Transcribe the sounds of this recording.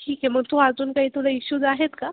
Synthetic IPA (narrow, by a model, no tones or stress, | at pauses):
ʈʰiːkjɛm̤əɡ̚t̪uad͡zuːnkaɦiːt̪uləiɕud͡zaɦet̪ka